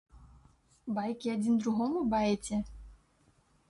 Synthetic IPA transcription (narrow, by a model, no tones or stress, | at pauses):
bajkʲiad͡zʲind̪ɾuɣɔmubajɛt͡sʲɛ